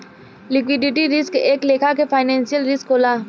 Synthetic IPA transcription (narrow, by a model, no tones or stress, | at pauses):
lɪkwɪɖɪʈiɾɪskeːkleːkʰakefʰaːɪnɛ̃ːnsijəlɾɪskoːlaː